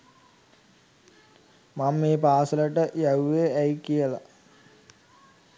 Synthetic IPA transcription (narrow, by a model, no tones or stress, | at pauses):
mamːeːpaːsɐlɐʈəjɐwʋeɐjkijɐla̰